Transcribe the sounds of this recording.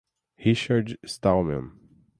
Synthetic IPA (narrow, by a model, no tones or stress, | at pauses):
hiʃədstalˠmɛ̰̃n